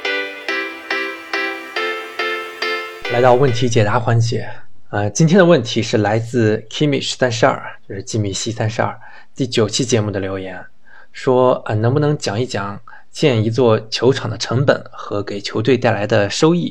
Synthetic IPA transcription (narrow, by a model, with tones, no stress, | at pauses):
la˧˥ɪt̪ɑ˥˧ʊwə˥˩nt̪ʰi˧˥t͡ɕjɛ˨˩t̪a˧˥xwa˧˥nt͡ɕjɛ˨˩˦ə˧t͡ɕi˥nt̪ʰjɛ˥nə˧wə˥˩nt̪ʰi˧˥ʂɻ̩˥˩la˧˥ɪt͡sɹ̩˥˧kʰi˥mi˨˩ʂɻ̩˧˥sa˥nʂ̩˥ɐ̰˞˥˧˩t͡ɕjo˥˧ʊʂɻ̩˥˩t͡ɕi˥mi˧˥˩ɕi˥sa˥nʂ̩˧˥ɐ̰˞˥˧˩ | t̪i˥˩t͡ɕjo˨˩ʊt͡ɕʰi˥t͡ɕjɛ˧˥mu˥˩d̪ə˩ljo˧˥ʊjɛ˧˥n | ʂwɔ˥ə˧˩nɤ˧˥ŋbu˧nɤ˧˥ŋt͡ɕjɑ˨˩ŋi˥˩t͡ɕjɑ˨˩˦ŋ | t͡ɕjɛ˥˩ni˧˥t͡swɔ˥˩t͡ɕʰjo˧˥ʊʈ͡ʂʰɑ˨˩ŋd̪ə˦ʈ͡ʂʰɤ˧˥ŋpə̰˨˩˦nxɤ˧˥ke˨˩ɪt͡ɕʰjo˧˥ʊt̪we˥˧ɪt̪a˥˩ɪla˧˥ɪd̪ə˧ʂo˥ʊi˥˩